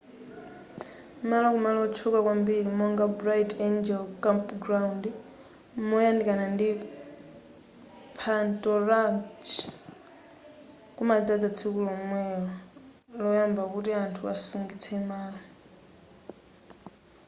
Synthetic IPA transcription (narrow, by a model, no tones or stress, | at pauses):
malɔkumalɔt͡ʃʰukakwambilimɔŋɡabɾajtɛnd͡ʒɛlkampɡɾawund | mɔjandikanandi | pʰantʼɔɾat͡ʃ | kumad͡zad͡zat͡sʰikulɔmwɛɔ | lɔjambakutiantʰuasuŋɡit͡sʰɛmaːlɔ